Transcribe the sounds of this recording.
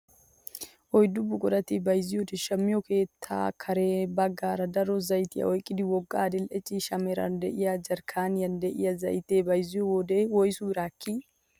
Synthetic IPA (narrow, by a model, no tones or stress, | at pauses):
ʔɔjd̪ʊbːʊkʼɔd̪ɐt̪ɪbɐjzɪjɔd̪ɛʃɐmːɪjɔke̞ːt̪ʰːa̰ːkʰɐɾeːbɐɡːaːɾɐd̪ɐɾɔzɐjt̪ɪjɐ̰ʔɔjkʼːɪd̪ɪwɔɡːaːd̪ɪlʔɛt͡ʃʼːiʃɐmɛɾɐ̰nd̪ɛʔɪjad͡ʒɐɾkʰaːnjɐnd̪ɛʔɪ̰jɐzɐ̰jɪt̪eːbɐjzɪjɔwɔd̪eːwɔjsʊɪɾaːkʰːi